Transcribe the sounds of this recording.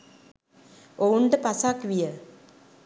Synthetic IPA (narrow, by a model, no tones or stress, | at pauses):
ouɳɖəpasakʋijə